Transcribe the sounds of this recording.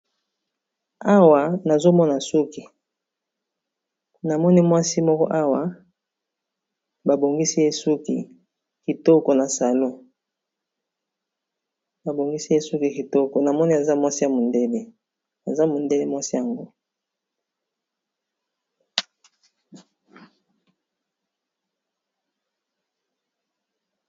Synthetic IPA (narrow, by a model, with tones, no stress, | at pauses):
a˦wa˨na˨zo˦mɔ˦na˨su˦ki˨ | na˨mɔ˦ni˦mwa˦si˦mɔ˦kɔ̰˦ʔa˦wa˨ | ba˨bo˨ŋɡi˦si˦je˦su˦kḭ˨ | ki˨to˦kɔ˨na˨sa˨lo˦ | ba˨bo˨ŋɡi˦si˦je˦su˦ki˨ki˨to˦kɔ˨na˨mɔ˦ni˦a˨za˦mwa˦si˦ja˨mo˨nde˦le˦ | a˨za˦mo˨nde˦le˦mwa˦si˦ja˨ŋɡo˦